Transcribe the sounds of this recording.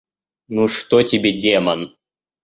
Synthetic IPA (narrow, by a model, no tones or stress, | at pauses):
nuʂt̪otʲɪbʲedʲemɐn